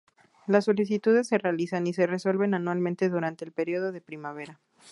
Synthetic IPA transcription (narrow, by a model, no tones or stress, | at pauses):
lasːo̞lis̬it̪uðe̞sːe̞realisanise̞re̞so̞lβe̞nanwalmẽnt̪e̞ðuɾant̪e̞ːlpe̞ɾio̞ð̞o̞ðe̞pɾimaβ̞e̞ɾa